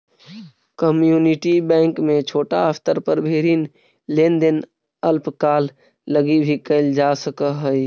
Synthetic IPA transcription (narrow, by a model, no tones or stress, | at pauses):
kəmjuːnɪʈibɛ̃ːŋkmẽt͡ʃʰoːʈaəft̪əɾpəɾbʱeːɾin | leːnd̪en | əlpkaːlː | əɡibʱikəɪld͡ʒaːsəkəɦəj